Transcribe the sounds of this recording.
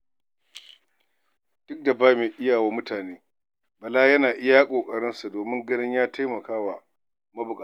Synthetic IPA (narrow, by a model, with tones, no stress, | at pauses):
d̥ʊ˦k̚da˨baː˦meː˨ʔɪ˦jaː˨waː˦mʊ˦taː˨neː˦ | bɐ˨laː˦jɐ˦naː˨ʔɪ˦jaː˦kʷʼoː˨kʼɐ˨ɽɪ˦nsu˨doː˨mɪ˦ŋɡɐ˦nɪ˦ɲjaː˦tʰa˦jmɐ˨kaː˦wa˨ | mɐ˦bʊ˨kʼa˨˦˨